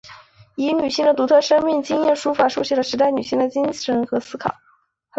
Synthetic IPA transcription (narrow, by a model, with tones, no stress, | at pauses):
i˧˥ny˨˩ɕi˥˩ŋd̪ə˩t̪u˧˥t̪ʰɤ˥˩ʂə˥ŋmi˥˩ŋt͡ɕi˥ŋjɛ˥˩nʂu˥fa˨˩ʂu˥˧ɕy˥˩lə˩ʂɻ̩˧˥t̪a˥˩ɪny˨˩ɕi˥˩d̪ə˩t͡ɕi˥ŋʂə˧˥nxɤ˧˥sɹ̩˥kʰɑ̰˨˩˦